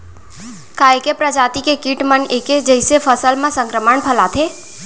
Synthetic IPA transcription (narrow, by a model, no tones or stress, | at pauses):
kaekepɾəd͡ʒaːt̪ikekiʈməneːked͡ʒəɪsepʰəsəlmãsə̃ŋkɾəməɳpʰəlat̪ʰe